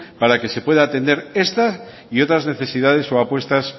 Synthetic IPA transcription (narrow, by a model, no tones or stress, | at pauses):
paɾake̞se̞pwe̞ð̞aːt̪e̞nd̪e̞ɾe̞st̪a | io̞t̪ɾazne̞θe̞sið̞að̞e̞so̞apwe̞st̪as